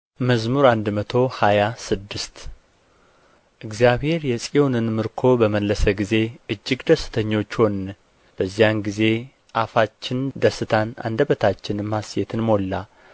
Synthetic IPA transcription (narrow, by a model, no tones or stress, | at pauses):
məzmuɾand̪mət̪ʰo̞hajasɨd̪ːɨst̪ | ʔɨɡzijaβhe̞ɾjɛsʼionɨnmɨɾkʰo̞bəməlːəsəɡize̞ʔɨd͡ʒːɪɡd̪əsɨ̥t̪ʰəɲːo̞t͡ʃːho̞nː | b̥əzːijanɡize̞ | ʔafat͡ʃːɪnd̪əsɨt̪ʰana̰nd̪əbət̪ʰat͡ʃːɪnmasjet̪ʰɨnmo̞lːa